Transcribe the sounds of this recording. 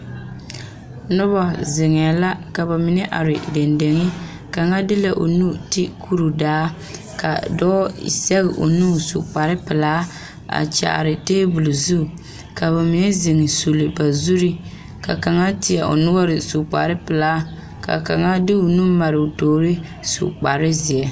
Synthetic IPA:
nʊ˦ba˨zɪ˨ŋɛ˨a˨la˦ka˨ba˨mɪ˨nɛ˦ʔa̰˨ɾɪ˨de˨nde˨ŋɪ˦ | ka˨ŋa˦dɪ˦la˨ʔo̰˨nu˦ti˦kʰu˦ɾu˨daː˦ | ka̰˨dɔː˦sɛ˦ɣɪ˨ʔo̰˨nu˦sṵ˨k͡pa˨ɾɪ˦pɪ˨laː˦ | a̰˨t͡ʃa̰˨ɾɪ˨teː˦bu˨lu˨zu˦˨ | ka˨βa˨mɪ˨nɛ˦zɪ˨ŋɪ˨su˨li˨ba˨zu˦ɾi˦ | ka̰˨ka˨ŋa˦tɪ˨ɛ˨ʔo̰˨nʊ˦ɡa˦ɾɪ˨su˨k͡pa̰˨ɾɪ˦pɪ˨laː˨˦ | ka̰˨ka˨ŋa˦dɪ˦o˨nu˦ma˨ɾɪ˨o˨toː˨ɾɪ˦ | sṵ˨k͡pa˨ɾɪ˦zi˨ɛ˨

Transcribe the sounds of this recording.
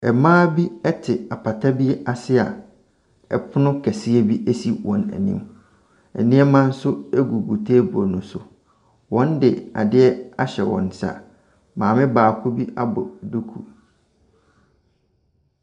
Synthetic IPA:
ɛ˨mãː˦bi˦ɛ˦tʰɪ˨a˨pʰa˨tʰa˦bi˦ɛ˦ʔa˨sɪ˦a̰˨ | ɛ̰˨pʰʊ˦nʊ̃˦kʰɛ˨sɪ˦e˦bi˦ʔæ˦si˦wɔ̃˨næ̰˨nḭ̃˦m | ɛ̰˨nĩ˦ɛ˦mã˦n̩˦sʊ˦e˦ɡu˨ɡu˨tʰeː˦bo˨nʊ̃˨sʊ˨ | wɔ̃˦ndɪ˨a̰˨dɪ˦ɛ˦a˦ɕɛ˨wɔ̰̃˨n˨sa̰˨ | mãː˨mɪ̃˦baː˨kʰʊ˦bi˦ʔa˦bʊ̰˨du˦kʰṵ˨

